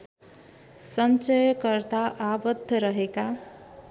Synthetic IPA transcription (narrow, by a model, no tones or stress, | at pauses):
sʌnt͡ʃʌjʌkʌɾt̪aʔabʌd̪ʱːʌɾʌɦeka